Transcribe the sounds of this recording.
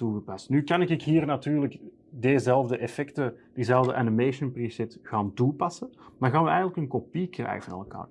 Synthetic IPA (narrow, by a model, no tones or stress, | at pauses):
tuɣəpɑstnykɑnɪkɪkɦiːrnatyːrlək | dezɛlˠvdəʔɛfɛktəd̥izɛlˠvdəʔanimeːʃənprisɛtɣaːntupɑsəmaːrɣaːnʋəɛjɣənləkənkopikrɛ̰jvənɑ̰lˠka̰ːr